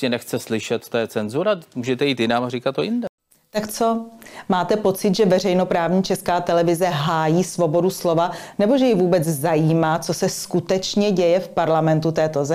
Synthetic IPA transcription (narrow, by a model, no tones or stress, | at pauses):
ɛnɛxt͡sɛslɪʃɛt̪t̪ojɛt͡sɛnzuɾamuːʒɛt̪ɛjiːt̪jɪnaːmarikat̪ːojɪndɛ | t̪akt͡so̞maːt̪ɛpo̞t͡sɪt̪ʒɛvɛr̝ɛjno̞pɾaːvɲiːt͡ʃɛskaːt̪ɛlɛvɪzɛɦaːjiːsvo̞bo̞duslo̞vanɛbo̞ʒɛjɪvuːbɛt͡szajiːmaːt͡so̞sɛskut̪ɛt͡ʃɲɛɟɛjɛfpaɾlamɛnt̪ut̪ɛːt̪o̞zɛ